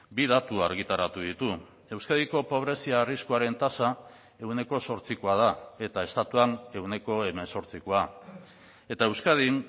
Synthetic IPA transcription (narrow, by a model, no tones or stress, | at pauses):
biðat̪ua̰ɾɣit̪aɾat̪uðit̪u | e̞wskaðiko̞po̞β̞ɾe̞siaːriskuaɾe̞nt̪asa | e̞wne̞ko̞so̞ɾt͡sikoað̞ae̞t̪ae̞st̪at̪uane̞wne̞ko̞e̞me̞nso̞ɾt͡siko̞a | e̞t̪ae̞wskað̞in